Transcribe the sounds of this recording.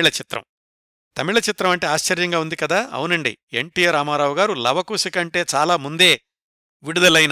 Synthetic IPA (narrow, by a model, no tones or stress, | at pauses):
ɭɐt͡ʃit̪ɾɐ̰m | t̪ɐmiɭɐt͡ʃit̪ɾɐmɐɳʈe̞ːaːʃt͡ʃɐɾjɐŋɡaːund̪ikɐd̪aːɐ̰wunɐɳɖḭeɳʈijeɾaːmaːɾaːwuɡaːɾulɐbɐkuːsikɐɳʈe̞ːt͡ʃaːlaːmund̪e̞ː | ʋiɽud̪ɐlɐjn